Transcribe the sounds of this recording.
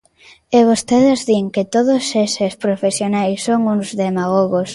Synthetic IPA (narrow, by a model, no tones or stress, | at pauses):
eβost̪eðezðiŋket̪oðosesespɾofesjonajsːoŋuŋzðemaɣoɣos